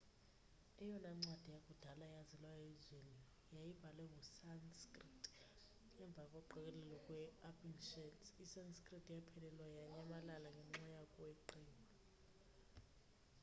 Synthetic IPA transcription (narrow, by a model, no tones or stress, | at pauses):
ɛjɔnaŋ͡ǀad̥ʱijakʼud̥ʱalajazɛlwaezini | jajibʱalɛŋusanskʼritʼ | ɲɛɱb̪vʱakʼɔǃɛk̬ʼɛlɛlɔkʼwɛapʰʼinʃɛtisanskʼritʼjapʰɛlɛlwajaɲamalalaŋɡʱɛŋ͡ǀajakʼwɛǃiːlɔ